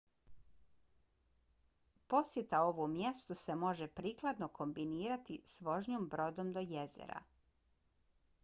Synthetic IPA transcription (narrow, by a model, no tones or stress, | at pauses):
po̞sjet̪ao̞ʋomje̞st̪use̞mo̞ʒepɾiːklˠad̪nokʰo̞mbiniːɾat̪isʋo̞ʒɲoːmbɾo̞d̪o̞md̪o̞je̞zḛɾa̰